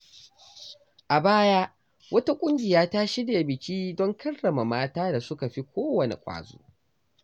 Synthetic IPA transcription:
ʔa˨baː˦jaː˦ | wɐ˦ta˦kʷʼʊ˦ŋɡʲɪ˨jaː˦ta˦ʃi˦de˨bɪ˨kʲiː˦dɔ˦ŋkʰɐ˦rːɐ˨ma˨maː˦taː˦da˨sʊ˦ka˨ɸi˦kʷʰoː˦wɐ˨nḛ˨kʷʼa̰ː˨zṵː˦

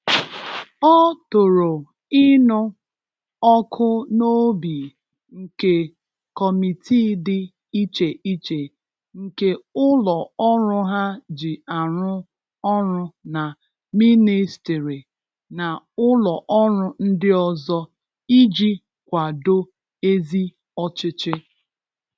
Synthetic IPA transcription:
ɔ˦tʊ˨ɾo˨ | ɪ˦nʊ˦ | ɔ˦kʰʊ˦no˦bi˨ | ŋ̩˨ke˦ | kɔ˨mi˨tʰi˦dɪ˦ | i˦t͡ʃe˨ʔi˦t͡ʃe˨ | ŋ̩˨ke˦ʊ˦lɔ˨ɔ˦ɾʊ˦ɦa˦d͡ʒɪ˨a˨ɾʊ˦ | ɔ˦ɾʊ˦na˨ | mi˦ni˦sti˨ɾi˨ | na˨ʊ˦lɔ˨ʔɔ˦ɾʊ˦n̩˦dɪ˦ɔ˦zɔ˦ | i˦d͡ʒi˦ | kʷa˨do˦ | e˦zi˦ | ɔ˦t͡ʃɪ˦t͡ʃɪ˦

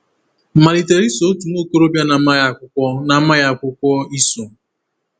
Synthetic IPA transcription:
ma˨ɾi˨te˨ɾi˦so˨˦tu˨no˦˨ko˦ɾo˦bja˦na˨˦ma˦ja˨kʷʊ˦kʷɔ˦na˨˦ma˦ja˨kʷʊ˦kʷɔ˦i˦so˨

